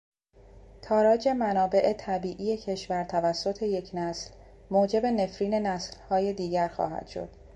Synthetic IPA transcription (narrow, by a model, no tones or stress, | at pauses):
t̪ʰɒːɾɒːd͡ʒe̞mænɒːbe̞ʔet̪ʰæbiːʔije̞cʰe̞ʃvæɾt̪ʰævæsːo̞t̪ʰe̞je̞cʰnæsl | moːd͡ʒe̞be̞ne̞fɾiːne̞næslhɒːje̞d̪iːɟæɾxɒ̰ːhæ̰d̪̥ʃo̞̰d̪̥